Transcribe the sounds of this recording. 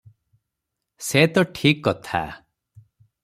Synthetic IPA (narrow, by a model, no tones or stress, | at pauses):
set̪ɔʈʰikːɔt̪ʰa̰